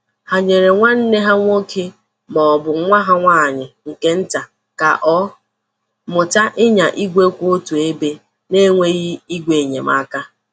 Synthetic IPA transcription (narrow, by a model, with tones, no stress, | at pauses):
ha˨ɲe˨ɾe˨ŋʷa˦n̩˦ne˦ɦa˦ŋʷo˦kʰe˦ | mɔ˨bʊ˨˦ŋʷa˦ɦa˦ŋʷaː˦˨ɲɪ˨ŋ̩˨ke˦n̩˦ta˨ | ka̰˨ʔɔ˦ | mʊ˨ta˦ʔɪ˦ɲa˨ʔi˦ɡʷe˦kʷo˦o˦tu˨e˦be˦ | ne˦ŋʷe˦ɣi˦i˦ɡʷe˨ɲe˨ma̰˦ka˦